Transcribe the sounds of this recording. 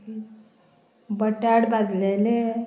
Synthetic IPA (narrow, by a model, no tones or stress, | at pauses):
bəʈaɽbʱad͡zlele